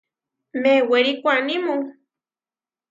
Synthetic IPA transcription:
meweɾikʷanimuŋ

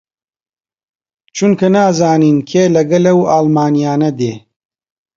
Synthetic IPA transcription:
t͡ʃʰunkɐnaːzaːniːnkʰeːlɐɡɐlɐwaːlmaːnijaːnɐd̪eː

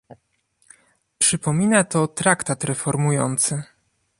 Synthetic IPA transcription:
pʂɘpɔmʲinat̪ɔt̪ɾakt̪at̪ɾɛfɔɾmujɔ̰nt̪sɘ

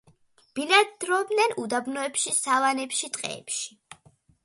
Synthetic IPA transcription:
b̥ilad̪ɾɔbnɛnud̪abnɔɛpʃisavanɛpʃit̪ʼqʼɛ̰ɛ̰pʃi̥

